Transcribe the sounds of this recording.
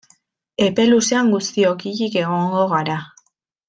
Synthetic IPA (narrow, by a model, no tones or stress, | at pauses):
e̞pe̞luseaŋɡust̪io̞kiʎike̞ɣ̞o̞ŋɡo̞ɣaɾa